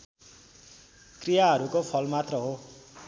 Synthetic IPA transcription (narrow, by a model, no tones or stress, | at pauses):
krijaɦʌɾukopʰʌlmat̪rʌɦo